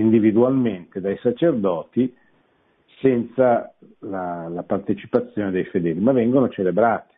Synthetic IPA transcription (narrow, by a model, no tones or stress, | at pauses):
ind̪ivid̪ualment̪ed̪ajsat͡ʃerd̪ɔːt̪i | sɛnt̪sa | lalapart̪et͡ʃi̥pat̪sːjoːned̪ejfed̪ɛːlimavːɛŋɡonot͡ʃelebɾaːt̪i̥